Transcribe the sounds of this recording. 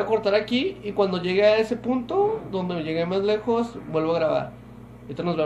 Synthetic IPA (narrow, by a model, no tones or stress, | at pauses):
ako̞ɾt̪aɾakiikwand̪o̞ʝeɣeae̞se̞punt̪od̪o̞nd̪e̞meʝe̞ɣemazle̞xo̞sbwe̞lβoaɣɾaβa̰ɾ | et̪onozβe